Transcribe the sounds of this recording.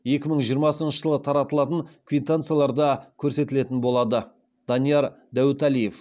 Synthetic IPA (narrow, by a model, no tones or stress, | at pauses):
je̞kʲɪməɴʒijəɾmɑsənʃəʒəlˠət̪ʰɑɾɑt̪əlˠɑt̪ənkʰʲvʲit̪ːant̪sɨjalˠɑɾd̪ɑkʲʰɵɾse̞t̪ɪle̞t̪ɪnbo̞lˠɑd̪ə | d̪̥ɑnijɑɾ | d̪æwɪt̪ælije̞f